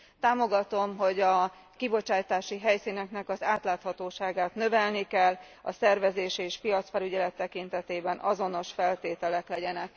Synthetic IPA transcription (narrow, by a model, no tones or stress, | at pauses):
t̪aːmo̞ɡɒt̪o̞mɦo̞ɟɒ | kibo̞t͡ʃaːjt̪aːʃiɦɛjsinɛknɛkɒzaːt̪laːt̪hɒt̪oːʃaːɡaːt̪nø̞vɛlnikɛlː | ɒ̰sɛrvɛzeːʃeːʃpijɒt̪sfɛlyɟɛlɛt̪ːɛkint̪ɛt̪eːbɛnʔɒzo̞no̞ʃfɛlt̪eːt̪ɛlɛklɛɟɛnɛk̚